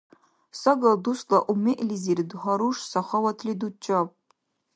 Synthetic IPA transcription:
sɐɡɐlduslɐʔumeʔlizirdɨχɐɾuʂsɐχɐwɐtʰlidut͡ʃʼɐp̚ʼ

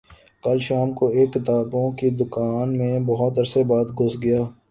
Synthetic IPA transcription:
kəlʃaːmkoeːkːɪt̪aːbõkid̪ʊkaːnmẽbɐɦʊt̪ɐɾsebaːt̪ɡʊzɡɐjaː

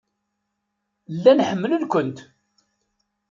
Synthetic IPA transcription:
lːænħəmːələlkʷʊnt̪

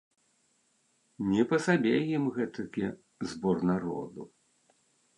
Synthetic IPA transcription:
nʲɛpɐsabʲejimɣɛt̪ɐkʲɛ | zbɔrnaɾɔ̰d̪u

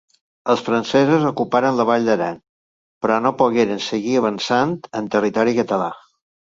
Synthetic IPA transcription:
əlˠsfɾənsɛzuzokupaɾənləβaʎd̪əɾan | pɾɔnopuɣeɾənsəɣiəβənsant̪ənt̪ərit̪ɔɾikət̪əla̰

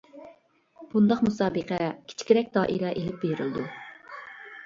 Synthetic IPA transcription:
b̥und̪ɑqmusɑːbəqʰɛkʲʰt͡ʃʰkʲiɾɛk̚ʲd̪ɑːʔḭɾɛʔelɪp̚beɾɪld̪u

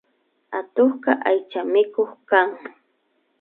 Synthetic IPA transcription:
at̪oχkɑʔajt͡ʃamɪkoχkaŋ

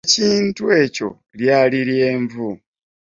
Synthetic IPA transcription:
ciːntue̞co̞̰ | ljaːliɾje̞ːɱvu

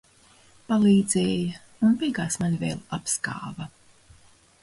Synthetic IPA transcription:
palˠiːd̪zɛːja | unpiɡaːsmanvḛːlʲˠapska̰ːvɐ

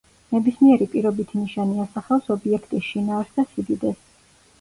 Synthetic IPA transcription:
nɛbismiɛɾipʼiɾɔbit̪ʰiniʃaniasaχɛfsɔbiɛkʰt̪ʼisʃinaːɾsd̪asid̪id̪ɛs

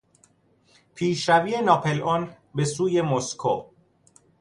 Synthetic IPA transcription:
pʰiːʃɾæviːe̞nɒːpʰe̞lon | be̞suːje̞moskʰo̰ː

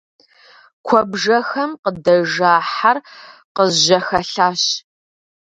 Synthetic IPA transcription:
kʷʰɔbʐɐxɐmqədɐʒaːħarqəzʒɐxɐɬaːɕ

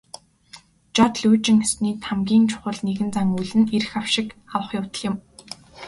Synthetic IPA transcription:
t͡ɕɔt̪ɮujt͡ɕɪ̆ŋesniːt̪ʰamɡʲiːnt͡ɕʰʊ̥χə̆ɮneɣɘ̆nt͡saŋuɮɘ̆neɾɘ̆xawʃɪ̆kawə̆χjʊwt̪ə̆ɮjɪ̆m

